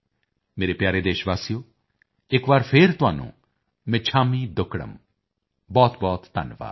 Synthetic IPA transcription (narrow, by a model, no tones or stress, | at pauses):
meːɾeːpjaːɾeːd̪eːʃʋaːsijoː | ɪkbaːɾpʰɪɾt̪ʊɦa̰ːnṵ̃ː | mɛ̃ːt͡ʃʰaːmiːd̪ʊkʰɽə̰m | bɔːt̪bɔːt̪ːə̰nʋa̰ː